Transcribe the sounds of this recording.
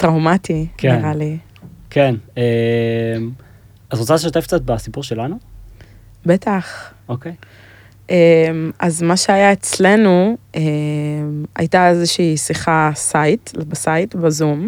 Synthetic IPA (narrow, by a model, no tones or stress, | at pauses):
tʁawmatikiʁali | kʰenem | atʁot͡saleʃot̪efk̚t͡sat̪̚basipuʁʃelanu | be̞taχokej | ʔemʔazmaʃeajaet͡slenuema̰jtaezeʃiːsiχasajtlbasajtbazum